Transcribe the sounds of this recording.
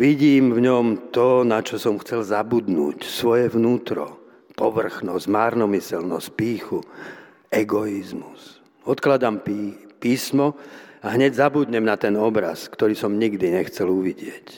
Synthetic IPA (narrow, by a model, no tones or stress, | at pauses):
ʋiɟiːmvɲɔmt̪ɔnat͡ʃɔsɔmxt͡sɛlzabud̪nṵːcsʋɔjɛʋnuːt̪ɾɔ̰ | pɔʋr̩xnɔzmaːɾnɔmisɛlnɔs̚piːxu | ɛɡɔizmus | ɔt̪klad̪ampipiːsmɔaɦɲɛɟzabud̪ɲɛmnat̪ɛnɔbɾa̰skt̪ɔɾiːsɔmɲiɡd̪iɲɛxt͡sɛluʋiɟɪɛc